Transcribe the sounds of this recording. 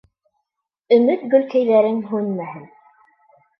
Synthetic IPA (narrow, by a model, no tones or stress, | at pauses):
ɵ̆mɘt̪ɡɵ̆lkæjðæɾɘŋɦʉnmæhɘn